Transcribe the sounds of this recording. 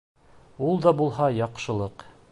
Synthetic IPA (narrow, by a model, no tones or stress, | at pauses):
ulˠd̪ɑbulˠɦɑjɑqʃɤ̆lˠɤq